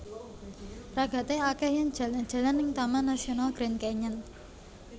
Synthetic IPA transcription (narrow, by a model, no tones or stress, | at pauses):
raɡ̥ä̤t̪eakɛhjaŋd̥ʒ̥ä̤lan̥ʒ̥ä̤lanɪŋt̪amanasionalɡ̥ɾɛnkɛɲən